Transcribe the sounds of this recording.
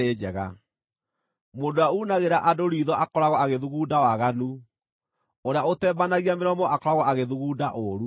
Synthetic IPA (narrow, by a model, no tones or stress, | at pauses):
eːd͡ʒɛɣa̰ | moːndoauːnaɣeɾaʔadoɾiːðɔʔakɔɾaɣɔaɣeðuɣuːdawaɣanu | oɾeaotɛːbanaɣiameɾɔmɔʔakɔɾaɣɔaɣeðuɣuːdaʔoɾu